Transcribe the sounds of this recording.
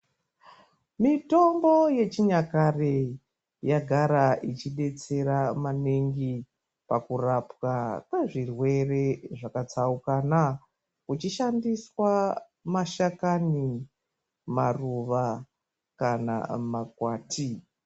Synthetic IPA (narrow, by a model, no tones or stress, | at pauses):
mito̞mɡo̞je̞t͡ʃiɲakare | jaɡʱaɾaʔit͡ʃiɗe̞t͡se̞ɾamaneŋɡi | pakurapwakaʐirwe̞re̞ʐakat͡saukana | kut͡ʃiʃandiswa | maʃakani | maruʋa | kana̰makwaːtʰi